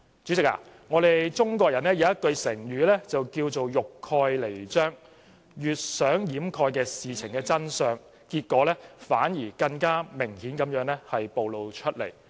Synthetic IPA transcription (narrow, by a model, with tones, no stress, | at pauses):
t͡ʃyː˨˥t͡sɪ˨k̚a̰ː˧ | ŋɔː˨˧ɾe˨jt͡sʊ˥ŋkɔː˧k̚jɐ˨˩nɛː˥jɐ˨˧wjɐ˥t̚kɵ˧ɥsɪ˨˩ŋjyː˨˧lɛː˥t͡sɐ˨wkiː˧wt͡so˨wjʊ˨kʰːɔː˧jle˨˩jt͡ʃœː˥ŋ | jyː˨t̚sœː˨˥ŋjiː˨˥mkʰɔː˧jkɛː˧siː˨t͡sʰɪ˨˩ŋkɛː˧t͡sɐ˥nsœː˧ŋ | kiː˧t̚kːɔː˨˥lɛː˥faː˨˥njiː˨˩kɐ˧ŋkaː˥mɪ˨˩ŋhiː˨˥nkɐ˨˥mjœː˨˥ŋlɛ˥hɐ˨jpo˨wlo˨˧wt͡ʃʰɵ˥t̚lḛ˨˩j